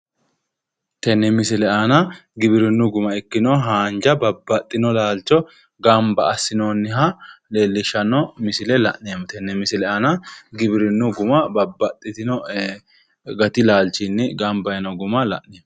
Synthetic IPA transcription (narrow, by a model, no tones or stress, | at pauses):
t̪ɛnːɛmɪsɪlɛanɐɡɪbɪɾɪnːʊɡʊmɐɛkːɪnɔːɦaːnd͡ʒɐbɐbːɐt̪ʼːɪnɔlaːlt͡ʃːɔ | ɡɐmbɐːsːɪnoːnːɪhɐleːlːɪʃɐnɔmɪsɪlɛlɐ̰ʔnemt̪ɛnːɛmɪsɪlɛʔɐnɐɡɪbɪɾɪnːʊɡʊmɐbɐbːɐt̪ʼːɪt̪ɪnɔ | ɡɐt̪ɪlaːlt͡ʃːɪnːɪɡɐmbɐjɐnɔɡʊmɐlɐ̰ʔneːm